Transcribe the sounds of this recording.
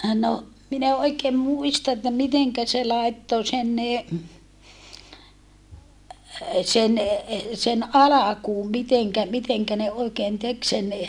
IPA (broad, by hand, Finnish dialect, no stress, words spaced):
no min e oikeːm muistɑ etːæ miteŋkæ se lɑˑetːo sen ne sen ɑlɑkuːm miteŋkæ miteŋkæ ne oikeːn tek sen